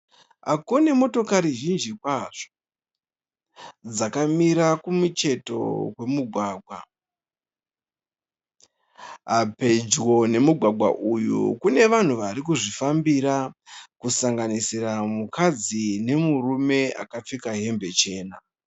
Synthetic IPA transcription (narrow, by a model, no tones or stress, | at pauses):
ɦa̰kunemo̞to̞kaɾiʒind͡ʒikwaʐ̥o̥ | d͡zakamiɾakumut͡ʃe̞to̞̰we̞muɡʱwaːɡʱwa̰ | ɦape̞d͡ʒwo̞ne̞muɡʱwaɡʱwa̰ʔujṵkune̞ʋan̤uʋaɾik̬uʐifambiɾakusaŋɡanisiramukʰad͡zine̞murume̞a̰kap͡fikaɦe̞mbe̞t͡ʃe̞ːna